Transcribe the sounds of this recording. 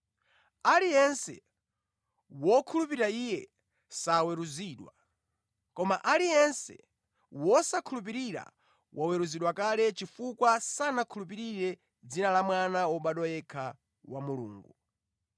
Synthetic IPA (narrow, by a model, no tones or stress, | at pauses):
alijɛnsɛ̰ | wɔkʰulupiiɾaijɛ | sawɛɾuziːɗwa | kɔmaʔalijɛnsɛ̰ | wɔsakʰulup̬iɾiɾa̰ | wʔawɛɾuziɗwakalɛt͡ʃifukwasanakʰulup̬iɾiɾɛ | d͡zinalamwanaɔɓaɗɔjɛkʰa | wamulṵːŋɡu